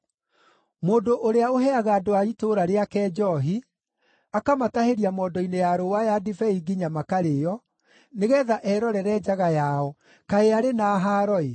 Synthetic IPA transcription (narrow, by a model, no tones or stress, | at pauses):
moːdoʔoɾeaoɦɛaɣaːdoaitoɾaɾeakɛːd͡ʒɔɦi | akamataheɾiamɔːdɔinejaɾowajadifɛiɡiɲamakaɾejɔ | neɣɛːðaʔɛɾɔɾɛɾɛːd͡ʒaɣajaɔ | kaeaɾenaːɦaːɾɔe